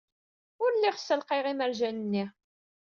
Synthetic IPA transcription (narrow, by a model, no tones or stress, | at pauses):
ʊɾlːiʁsːəlqiʁiməɾʒænənːi